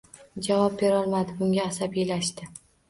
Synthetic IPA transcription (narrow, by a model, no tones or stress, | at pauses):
d͡ʒavɒp̚be̞ɾɒlˠmad̪ɪbʊŋɡʲaːsabijlaʃt̪ɪ